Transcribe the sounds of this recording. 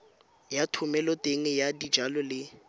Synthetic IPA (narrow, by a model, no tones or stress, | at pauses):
jatʰʊmɛlɔteŋ̩jadi̥d͡ʒalɔlɪ